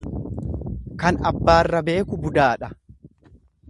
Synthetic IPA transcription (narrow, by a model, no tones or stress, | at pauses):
kɐnɐbːaːrːɐbe̞ːkʊbʊd̪aːᶑɐ